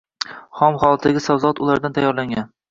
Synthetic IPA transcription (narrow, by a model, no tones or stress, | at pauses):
χɒmχɒlˠat̪ʰd̪aɡʲɪsawzɒt̪ʊlˠaɾd̪ant̪ʰajːɒɾlaŋɡʲan